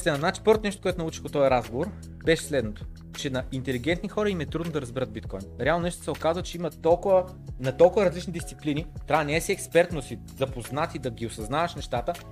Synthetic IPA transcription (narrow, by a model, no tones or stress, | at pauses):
sɛnɐd̪nat͡ʃi̥pəɾot̪onɛʃt̪o̥koɛt̪onɐut͡ʃi̥xot̪ɔjɐɾazɡovoɾ | bɛʃɛ̥slɛd̪not̪o̥ | t͡ʃɛnɐʔint̪ɛliɡ̟ɛnt̪nixɔɾɐimɛt̪ɾud̪nod̪ɐɾɐzbɛɾət̪̚bit̪kɔjnɾɛalˠnonɛʃt̪sɛokazvət͡ʃɛimɐt̪ɔlˠkʊvə | nɐt̪ɔlˠkʊvɐɾɐzlit͡ʃnid̪ist̪siplinit̪ɾʲanɛɛːsiɛkspɛɾt̪nosi | zɐpoznat̪id̪ɐɡʲiosɐznavɐʃnɛʃt̪at̪ə